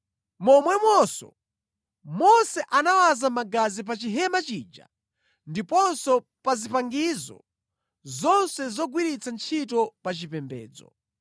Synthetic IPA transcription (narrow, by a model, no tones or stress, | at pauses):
mɔmwɛmwɔsɔ̰ | mɔsɛʔanawazamaɡazip̬at͡ʃiɦɛmat͡ʃiːd͡ʒa̰ | ndipɔnsɔ | pazipaŋɡizɔ̰ | zɔnsɛzɔɡwiɾit͡sʰant͡ʃʰitɔpat͡ʃipɛmbɛ̰ːd͡zɔ̰